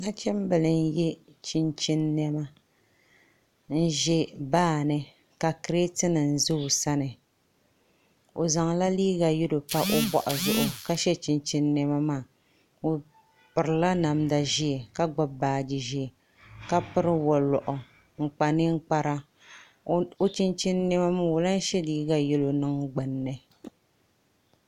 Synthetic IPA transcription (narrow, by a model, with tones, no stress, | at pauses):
na˦t͡ʃɛ˦m˦bɨ˨lɨ˨n˦jɛ˦ | t͡ʃi˦nt͡ʃi˦nːɛ˦ma˦ | n̩˦ʒɛ˦baː˦˨nɨ˦ | ka˨kɨ˨ɾe˦tɨ˦nɨ˨n̩˨zʊ˦˨sa˦nɨ˨ | o˨za˨ŋ˨la˦liː˦ɣa˨jɪ˦do˨pa˦ʔo˦bʷa̰˨ʔʊ˨zʊ˦ʔʊ˦ka˦ʃɛ˦t͡ʃi˦nt͡ʃi˦nːɛ˦ma˦maː˦˨ | o˨ | pɨ˨ɾɨ˨la˦na˨mda˨ʒi˦e˨ka˦ɡ͡ba˦baː˨d͡ʒi˨ʒi˦˨ | ka˦pɨ˦ɾɨ˦wɔ˨lɔ˨ʔʊ˨ | ŋ͡m̩˨k͡pa˨nɨ˦ŋ͡m̩˦k͡pa˦ɾa˦ | o˦t͡ʃi˦nt͡ʃi˦nː˦ɛ˦ma˦m˦wo˨la˦n˦ʃɛ˦liː˦ɡa˨jɛ˦lo˨nɨ˦ŋɡ͡bɨ˨nːɨ˦